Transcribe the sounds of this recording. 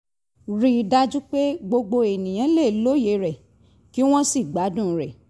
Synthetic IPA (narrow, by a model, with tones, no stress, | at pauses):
ɾi˦da˦d͡ʒu˦k͡pe˦ɡ͡bo˧ɡ͡bo˧e˨nĩ˨j̃ã˨˦le˦˨lo˨˦je˨˧ɾɛ˨ | ki˦w̃ɔ̃˦si˦˨ɡ͡ba˨˦dũ˦˨˦ɾɛ˨